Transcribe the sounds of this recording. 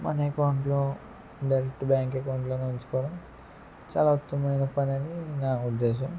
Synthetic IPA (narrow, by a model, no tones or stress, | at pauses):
mɐ̰nekɐwɳʈloː | ɖɐjɾek̚ʈbjaːŋkekɐwuɳʈloːnont͡ʃu̥kɔːɽam | t͡ʃa̰ːlaːut̪ːɐmɐjnɐpɐnɐninaːud̪ːe̞ːʃ̬ɐm